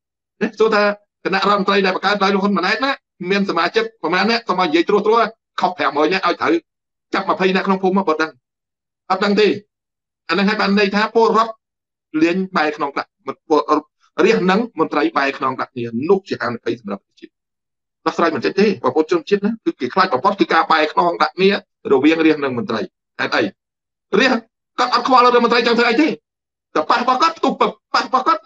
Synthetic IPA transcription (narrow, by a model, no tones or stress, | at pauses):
nɛsuət̪ʰaː | kanaʔroɔət̪̚mɔntrəjɗaɛpɑkaət̪̚ɗaɔjluəɦoənmənaɛt̪̚naː | miənsamaːt͡ɕɨk̚pɑmaːnːɛ̆əʔsomʔaɔjnijiəjt̪rʊəht̪rʊ̆əʔa | kʰohpʰɛəŋməːjnɛ̆əʔaɔjt̪ʰəw | t͡ɕap̚məpʰəjnăʔkʰnoŋpʰuːmɔːɓɔːt̪̚ɗəŋ | ʔɑt̪̚ɗəŋt̪eː | ʔaːnɨŋɦaːjɓaːnːɨjt̪ʰaːpʊəlrŏət̪̚ | liəɲɓaɛkʰnoŋkɗaʔp | riəhnɨŋmont̪rəjɓaɛkʰnɔŋɗaʔk̚ʰniənʊəht͡ɕiəhaənɨɓəjsɑmrapːət̪e̥t͡ɕiət̪̚ | ɗɑhsraːjmɨnt͡ɕ̪əɲ̚t̪eːɓɔːpʔont͡ɕʊ̆ənt͡ɕiət̪̚nakɨːkeːkʰlaːc̚ɓɑmpʰot̪̚kɨːkaːɓaɛkʰnoŋɗaʔʰniə | rɔʋiəŋriəhnɨŋmont̪rəj | haɛt̪̚ʔəj | riəh | kɔ̆t̪̚ʔɑt̪̚kʰɓɑlɾɨəhmont̪rəjt͡ɕɑŋt̪ʰəʔəjt̪eː | t̪əpaʔɾrəɓɑhkɔət̪pʰt̪uhpəpaʔrəɓɑhkɔət̪̚